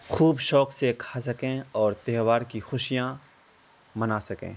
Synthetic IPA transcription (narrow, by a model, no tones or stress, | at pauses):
xuːbʃɔːksekʰaːsɐkẽɔːɾt̪eɦʋaːɾkixʊʃijã | mɐnaːsɐkḛ̃ː